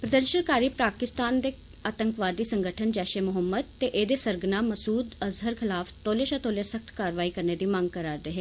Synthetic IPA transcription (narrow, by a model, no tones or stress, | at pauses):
pɾəd̪əɾʃənkaːɾiːpɾaːkɪst̪aːnd̪eː | aːt̪əŋkʋaːd̪iːsəŋɡəʈʰənd͡ʒɛːʃeːmʊɦəmːəd̪̚t̪eːʔeːd̪eːsəɾɡnaːməsuːd̪əzɦəɾkʰɪlaːft̪oːleːʃaːt̪oːljesək̚ʰt̪kaːɾʋaːiːkəɾneːd̪iːmãŋɡ̚kəɾaːd̪eːɦeː